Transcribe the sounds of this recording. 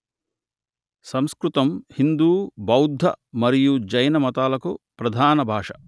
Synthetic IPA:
sɐmskɾut̪ɐmhind̪uːbɐwd̪ʱːɐ̰mɐɾijud͡ʒɐjnɐmɐt̪aːlɐkupɾɐd̪ʱaːnɐbʱaːʂɐ

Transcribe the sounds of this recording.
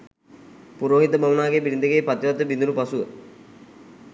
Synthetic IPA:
puɾoːɦit̪əmamənaːɡebiɾind̪əɡeːpat̪iʋat̪ːəbind̪unupasuʋə

